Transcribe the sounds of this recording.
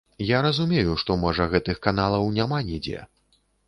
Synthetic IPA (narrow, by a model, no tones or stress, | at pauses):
jaɾɐzumʲejuʂt̪ɔmɔʐɐɣɛt̪ɨxkanalˠɐwnʲamanʲid͡zʲḛ